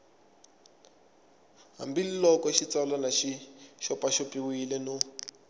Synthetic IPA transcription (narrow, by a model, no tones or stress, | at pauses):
ɦa̰mbililɔkɔʃit͡salanaʃiʃɔpaʃɔpʼiwilɛnu